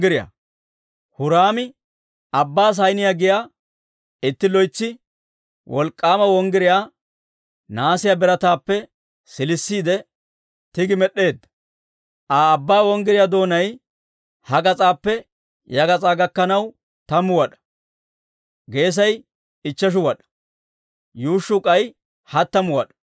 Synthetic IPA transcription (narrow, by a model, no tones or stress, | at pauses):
ɡɪɾɪja̰ | hʊɾaːmɪ | ɐbːaːs̬ɐjnɪjaːɡɪjaː | ɪt̪ːɪlɔjt͡sːɪ | wɔlkʼːaːmɐwɔŋɡɪɾɪjaː | naːsɪjabɛɾɐt̪aːpːɛ | sɪlɪsːiːd̪ɛ | t̪ɪɡɪmɛɗːe̞ːd̪ːɐ̥ | ʔaːbːaːwɔŋɡɪɾɪjaːd̪o̞ːnɐj | hɐɡɐt͡sʼaːpːɛ | jɐɡɐt͡sʼaːɡɐkːɐnɐw | t̪ɐmʊwɐɗɐ̥ | ɡe̞ːs̬ɐj | ɪt͡ʃːɐʃ̬ʊwɐɗɐ̥ | juːʃːʊkʼɐj | hɐt̪ːɐmʊwɐɗɐ̥